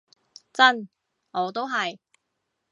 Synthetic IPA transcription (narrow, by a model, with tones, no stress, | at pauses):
t͡sɐ˥n | ɔː˨˧t̪o˥wɦɐ˨j